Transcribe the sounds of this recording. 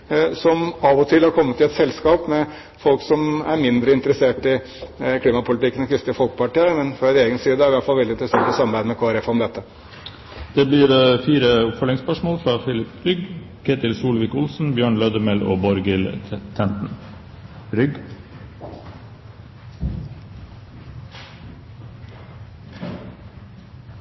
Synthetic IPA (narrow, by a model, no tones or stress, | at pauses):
sɔmɑʋɔt̪ʰɪlhɑɾkʰɔmːət̪ʰːɪlɛt̪sɛlskɑːpmɛ | fɔlksɔmæɾmɪnd̪ɾəɪnt̪əɾəseːʈɪ | kʰliːmɑpʊlɪt̪ɪkːənɔkʰɾɪst̪əfɔlkəpɑʈiːəɾmɛnfɾɑd̪ɪeːɡənsiːd̪əæɾɪʋæʈfɑlʋɛld̪ɪnt̪ɾəseːʈɔsɑmːɑɾbæɪd̪əmɛkʰoːæɾɛfɑɔmd̪ɛt̪ːə | d̪̥ɛbliːɾfiːɾəʊpfœlɪŋspœʂmoːlfɾɑːfɪlɪpɾʏɡ | kʰeːt̪ɪlsuːlʋɪkʊlsn̩bjøːɳlœd̪əmɛlo̰ːbɔɾɡɪlt̪ʰɛnt̪n̩ | ɾʏɡ